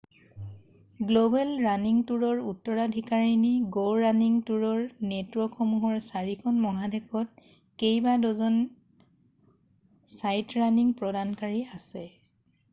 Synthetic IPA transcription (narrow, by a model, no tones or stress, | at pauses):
ɡlobɛlɹaniŋtuɹɔɹutːɔɹadʱikaɹiniɡoɹɹaniŋtuɹɔɹnetɹɔxɔmuɦɔɹsaɹikʰɔnmɔɦadekʰɔt̚ | kejbadɔzɔn | sajtɹaniŋpɹɔdankaɹiasɛ